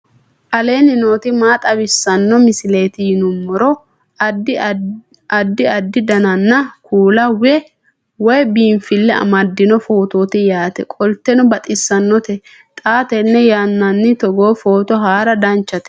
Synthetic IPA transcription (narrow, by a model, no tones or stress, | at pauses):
ʔɐle̞ːnɪno̞ːt̪ɪmaːt̪ʼɐbɪsːɐnːɔmɪsɪle̞ːt̪ɪjɪnʊmːɔɾɔ | ɐd̪ːɪɐd̪ːɪd̪ɐnɐnːɐkʰuːlɐwɛ | wɔjbiːmfɪlːɛɐ̰mɐd̪ːɪnɔfo̞ːt̪o̞ːt̪ɪjaːt̪ɛkʼɔlt̪ɛnɔbɐt̪ʼɪsːɐnːɔt̪ɛ | t̪ʼaːt̪ɛnːɛjanːɐnːɪt̪ɔɡo̞ːfo̞ːt̪ɔɦaːɾɐd̪ɐnt͡ʃːɐt̪ɛ̥